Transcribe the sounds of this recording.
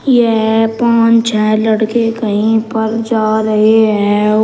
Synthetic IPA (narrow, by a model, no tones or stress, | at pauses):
jepãːt͡ʃt͡ʃɛ̃lɐɽkekəɦĩpəɾd͡ʒaːɾɐɦeɦɛ̃ː